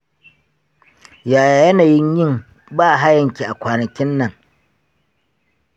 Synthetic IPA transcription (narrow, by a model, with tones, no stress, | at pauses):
jaː˨ja˨jɐ˦naː˨jɪ˦ɲjɪ˦m | baː˦˨ɦa˦jɐ˨ŋkʲi˨ʔa˨kʷaː˨nɐ˨kʲɪ˦nːɐ˨ŋ